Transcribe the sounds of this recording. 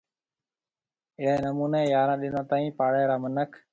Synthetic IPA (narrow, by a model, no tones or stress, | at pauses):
ɪɽeːnəmuːneːjaːɾãːɗɪ̃nd̪ãːt̪aːĩːpaːɽɛːɾaːmənəkʰ